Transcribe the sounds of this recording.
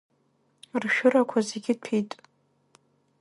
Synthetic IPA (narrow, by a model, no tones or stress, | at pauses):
rʃᶣʊɾakʷʰazeɡʲɪd̚pʰejtʼ